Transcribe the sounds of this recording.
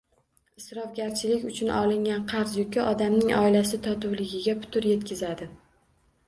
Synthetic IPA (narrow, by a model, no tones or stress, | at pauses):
ɪsɾɒfɡʲaɾt͡ʃʰɪlɪkʲʊt͡ʃʰʊnʔɒ̰lˠɪŋɡʲanqʰɑɾzjʊkʲɪʔɒd̪amnɪŋʔɒ̰ɪlasɪt̪ʰɒt̪ʊwlɪɡʲɪɡʲapʰʊ̥t̪ʰʊɾje̞t̪kʲʰɪzad̪ɪ